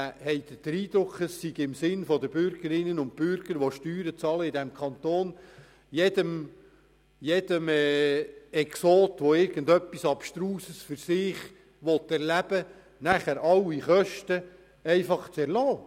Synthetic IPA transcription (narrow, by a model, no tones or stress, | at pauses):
hɛjd̪əd̥əɾiːd̪ɾʊkʰːəsːiɡɪmsɪnfɔd̪əbʏɾɡəɾɪnːənʊnt̚pʏɾɡ̥əɾʋoʃtyːɾət͡sɑləɪd̪ɛmkʰɑnt̪oːn | jɛd̪əm | jɛd̥̪əmɛ | ɛksoːt̪ʋoɪɾɡ̥əndœpːisɑpʃtɾuːsəsfʏɾsɪːχ | ʋɔt̪ːɛɾlæb̥ə | næχæɾɑwiχœʃtə | ɛɪfɑχt͡sɛɾlɔː